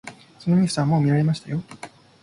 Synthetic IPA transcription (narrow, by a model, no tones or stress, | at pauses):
so̞noɲ̟iɯ̥saβamo̞ːmʲiɾaɾe̞maɕi̥t̪ajo̞